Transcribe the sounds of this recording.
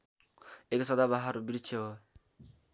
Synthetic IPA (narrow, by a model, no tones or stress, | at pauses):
eksɔd̪abaɦaɾubiɾit͡ʃʰeo